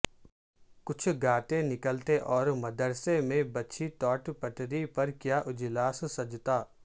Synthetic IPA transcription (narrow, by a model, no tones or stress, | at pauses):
kʊt͡ʃʰɡaːt̪ẽnɪkəlt̪eʔɔːɾmɐd̪əɾsemẽbɐtːʃʰit̪ɔːʈpɐʈɾipɐɾkjaːʔʊd͡ʒlaːssɐd͡ʒt̪aː